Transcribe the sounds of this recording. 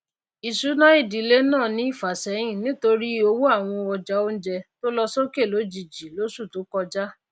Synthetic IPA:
i˨su˨˦nã˦i˦˨di˨˦le˦nãː˦˨nĩ˨˦i˦˨fa˨sɛ˨˦j̃ĩ˦˨nĩ˦to˧ɾi˦o˧wo˦a˦˨w̃ɔ̃˧ɔ˧d͡ʒa˦o˦n̩˦d͡ʒɛ˧to˦lɔ˦so˦ke˦˨lo˨˦d͡ʒi˨d͡ʒi˨lo˦su˦˨to˨˦kɔ˧d͡ʒa˦

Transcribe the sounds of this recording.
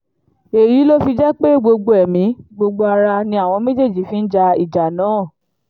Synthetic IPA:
e˨ɾi˨˦lo˦fi˧d͡ʒɛ˦k͡pe˦ɡ͡bo˧ɡ͡bo˧ɛ˨mĩ˨˦ɡ͡bo˧ɡ͡bo˧a˧ɾa˧nĩ˧˦a˦˨w̃ɔ̃˧me˦d͡ʒe˦˨d͡ʒi˨˦fi˦n̩˦d͡ʒa˧i˨d͡ʒa˨nãː˨˦˨

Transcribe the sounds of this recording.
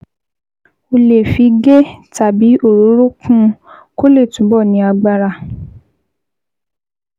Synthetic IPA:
o˧le˨fi˨˧ɡe˦ta˨bi˨˦o˦˨ɾo˨˦ɾo˦kʰũ˦ko˦le˦˨tũ˨˦bɔ˦˨nĩ˨˧˦a˧ɡ͡ba˧ɾa˧˨

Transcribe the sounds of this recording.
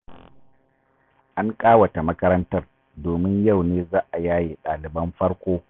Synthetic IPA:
ʔa˦ŋkʼaː˦wɐ˨ta˨mɐ˦kɐ˦ɾɐ˦ntɐ˦r | doː˨mɪ˦ɲja˦˨wneː˦zaː˦ʔa˨jaː˦jiː˨ɗaː˨lɪ˨bɐ˦mɸɐ˦ɽkʷoː˦

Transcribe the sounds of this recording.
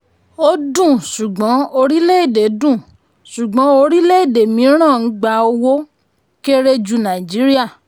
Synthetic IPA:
o˧dũ˦˨su˨ɡ͡bɔ̃˨˦o˧ɾi˦le˦i˦˨de˨dũ˦˨ | su˨ɡ͡bɔ̃˨˦o˧ɾi˦le˦i˦˨de˨mĩ˨˦ɾ̃ã˦˨n̩˨˦ɡ͡ba˧o˧wo˦ | ke˦ɾe˦d͡ʒu˧nã˨d͡ʒi˨˦ɾi˦a˦˨

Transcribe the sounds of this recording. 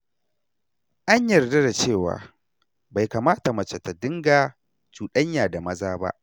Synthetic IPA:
ʔa˦ɲjɐ˨rdɐ˦da˨t͡ʃeː˦˨wa̰ː˨ | ba˨jkaː˨maː˦ta˨mɐ˨t͡ʃe˨ta˨dɪ˦ŋɡaː˨ | t͡ʃuː˨ɗɐ˦ɲjaː˨da˨mɐ˦zaː˦ba̰˦ʔ

